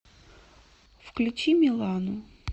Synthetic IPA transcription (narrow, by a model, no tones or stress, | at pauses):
fklʲʊt͡ɕimʲɪlˠanʊ